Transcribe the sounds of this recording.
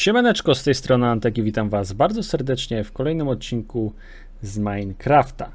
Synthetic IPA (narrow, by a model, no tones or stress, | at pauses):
ɕɛmɛnɛt͡ʂkɔst̪ɛjst̪ɾɔnɘant̪ɛkʲivʲit̪amvazbaɾd̪zɔsɛɾd̪ɛt͡ʂɲɛfkɔlɛjnɘmɔt̪̚t͡ɕinku | zmajnkɾaft̪a